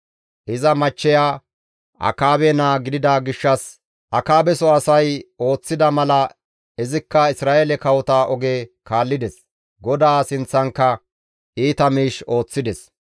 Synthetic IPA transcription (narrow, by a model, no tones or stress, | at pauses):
ʔɪzɐmɐt͡ʃːɛjaː | ʔɐ̰kaːbɛnaːɡɪd̪ɪd̪aːɡɪʃːɐs | ʔɐkaːbɛsɔɐsɐjo̞ːt͡sːɪd̪ɐmɐlɐ | ɛzɪkːɐɪsɾaːʔelɛkɐwɔt̪aːʔɔɡeːkaːlːɪd̪ɛs | ɡɔd̪aːsɪnt͡sːɐŋkːɐ | ʔiːt̪ɐmiːʃo̞ːt͡sːɪd̪ɛs